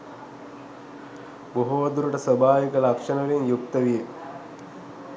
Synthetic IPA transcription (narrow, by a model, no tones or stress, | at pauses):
boɦoːd̪uɾuʈəsəbʱaːʋikəlakʂənəɐʋiŋjukt̪əʋije